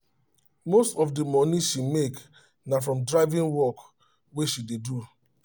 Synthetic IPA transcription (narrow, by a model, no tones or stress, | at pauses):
mostɔfdəmɔniʃimek | nafɹɔ̃mdɹaɪvĩnwɔk | weʃidedu